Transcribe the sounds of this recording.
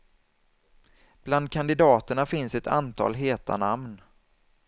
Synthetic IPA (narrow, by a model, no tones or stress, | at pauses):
b̥land̪̚kʰand̪ɪd̪ɑːt̪əɳafɪnsɛt̪ʰa̰nt̪ʰɑ̰ːlɦeːt̪ʰa̰namn